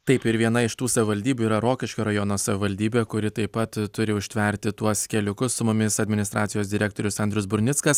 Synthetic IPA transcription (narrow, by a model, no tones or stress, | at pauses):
t̪ɐɪpɪɾʋʲiɛnɐɪʃt̪uːsɐʋʲɪʋɐlʲd̪ʲiːbʲuːiːɾɐɾoːkʲɪʃkʲoːɾɐjoːnoːsɐʋʲɪʋɐlʲd̪ʲiːbʲeːkʊɾʲɪt̪ɐɪppːɐt̪t̪ʊɾʲɪʊʃʲt̪ʲʋʲɛɾʲt̪ʲɪt̪uɔskʲɛlʲʊkʊssʊmʊmʲɪsɐd̪ʲmʲɪnʲɪst̪ɾʔɑːt̪sʲɪjoːsd̪ʲɪɾʲæːk̚t̪oːɾʲʊsɐnʲd̪ʲɾʲʊsbʊɾʲnʲɪt̪skɐs